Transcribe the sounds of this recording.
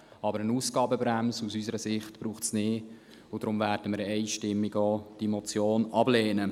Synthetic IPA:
ɑbəɾənuːsɡ̥ɑːbəbɾæmsusysəɾəsɪχtb̥ɾuːχtsnɪː | ʊd̥ɾʊmvæːɾd̥əməɾɛɪʃtɪmːiɡoːd̥imɔt͡sjoːnɑblɛːnə

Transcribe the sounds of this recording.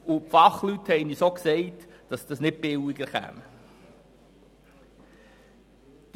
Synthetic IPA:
ʊpfɑχlythɛɪnisoksɛɪtd̥ɑsd̥ɑsnɪt̚pɪwɪɡ̥əɾχæ̰mə | d̥

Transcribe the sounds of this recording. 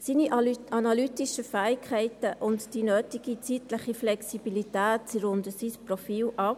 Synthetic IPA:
siːniʔɑnalytiʃəfæːɪkʰhɛɪtəʔʊntd̥inøːtiɡ̥it͡siːtləχiflɛksib̥ilitæːtsiɾʊndəsisprɔfiːlɑ

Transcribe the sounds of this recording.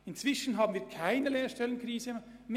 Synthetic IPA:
ɪnt͡sv̥ɪʃn̩ɦɑːbnviːɐkʰaɪnəleːɐʃtɛlənkriːzəm

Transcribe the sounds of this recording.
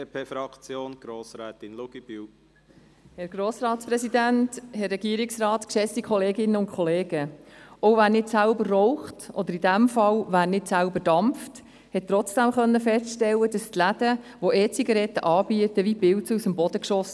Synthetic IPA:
pʰeːfɾɑkt͡sjoːnɡ̥ɾoːsɾɛːt̪ɪnluɡ̥ib̥yw | hɛɾɡ̥ɾoːsɾɑːtspɾɛsid̪ænthɛrːɛɡiəɾɪksrɑːt̪kʃɛsikʰɔleːɡɪnːəʊntkʰχɔleːɡəɔwvæːɾnɪtsælbərːɔʊχtʔɔd̪əɾidæmfɑlʋæːɾnɪtsælbəd̥ɑmft | hɛt̚t̪ːɾɔt͡sd̥æmχœnːəfɛstʃtɛlːədɑst̪læd̥əʋoɛːt͡siɡɑɾɛt̪ːəʔɑːbiət̪əʋibɪltsusəmbɔd̥əkʃɔs

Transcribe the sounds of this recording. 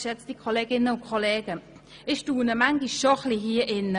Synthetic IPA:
ʃɛt͡sd̥ikʰɔleːɡɪnəʊkʰɔleːɡə | ɪʃtuːnəmaŋɡiʃɔχliɦiːɐʔɪn

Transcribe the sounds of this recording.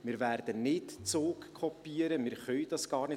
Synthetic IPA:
mɪːɾʋæːɾd̥ənɪtt͡soːkkʰɔpːiəɾəmɪːɾχœʏd̥ɑsɡ̥ɑːɾnɪ

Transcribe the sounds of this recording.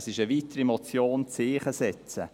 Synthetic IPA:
sɪʃəvitəɾimɔt͡sjoːnt͡seːχəsɛt͡sə

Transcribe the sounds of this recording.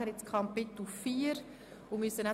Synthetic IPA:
əɾɪt͡skʰɑmpɪt̪l̩fiːəɾ | ʊmysəna

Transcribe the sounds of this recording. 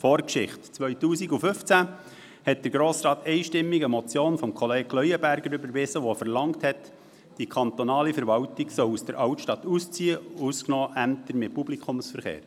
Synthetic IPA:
fɔːɾkʃɪχtt͡sʋœʏtuːsiɡufʏft͡sæ | hɛt̚d̥əɾɡɾoːsɾɑːtɛɪʃtɪmːiɡəmɔt͡sjoːnfɔmkʰɔleːɡklœjəbæɾɡəɾʏbəɾʋɪsəʋɔfəɾlɑŋthɛt | d̥ikʰɑnt̪ɔnɑːlifəɾʋɑwtɪɡ̥sɔwusd̥əɾʔɑwtʃtɑt̪ust͡siəusknɔːʔæmt̪əɾmɪt̚pub̥likʰʊmsfəɾχḛːɾ

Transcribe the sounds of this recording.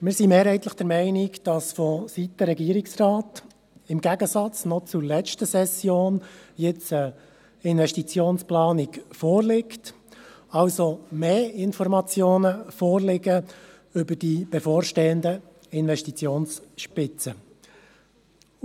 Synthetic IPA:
mɪːɾsimeːɾhɛɪt̪ləχd̥ɛɾmɛɪnɪkd̥ɑsfɔsit̪əɾɛɡiəɾɪksrɑːt | ɪmɡæɡəsɑt͡snɔt͡sʊɾlɛt͡ʃtəsɛsjoːnjɪt͡sə | ɪnʋɛʃtit͡sjoːnsplɑːnɪkfɔːrlɪkt | ɑlsomeːɪnfɔrmɑt͡sjoːnəfɔːrlɪɡə | ʏbəɾdib̥ɛfoːɾʃteːənd̪ə | ɪnʋɛʃtit͡sjoːnsʃpɪt͡sə

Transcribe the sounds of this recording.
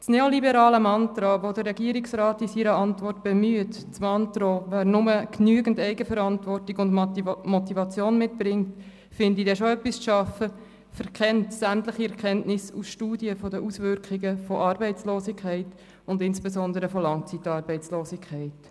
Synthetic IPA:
t͡sneolibɛɾɑːləmɑntɾoʋodəːɛɡiəɾɪksɾɑːtisiɾəɑntvɔrtb̥emyət | t͡smɑntɾoʋæːɾnʊməknyəɡən̩dɛɪɡəfəɾɑntʋɔrtɪɡʊndmɔtivɑt͡sjoːnmɪtb̥ɾɪŋt | fɪndidɛʃoœpːisʃɑfə | fɛɾʁkʰɛntsæmtləχiɛʁkʰɛntnɪsṵsʃtuːdiəfɔdəʔusʋʏɾkχɪɡəfɔʔɑrbɛɪt͡sloːsɪkʰχɛɪt | ʊndɪnsb̥esɔndəɾəfɔlɑŋt͡sitːɑːɾbɛɪt͡sloːsɪkʰχɛɪt

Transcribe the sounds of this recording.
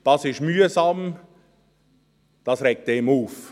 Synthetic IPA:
d̥ɑsɪʃmyːəzɑm | d̥ɑsɾɛk̚temuːf

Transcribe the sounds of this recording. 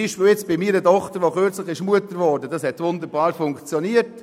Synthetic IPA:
ɪʃvojɛt͡sb̥ɪmiːɾədɔχtəɾʋoχøɾt͡slɪχɪʃmuətəɾʋɔɾdədɑshɛtvʊnd̪əɾbɑːɾfʊŋkt͡sjɔniət

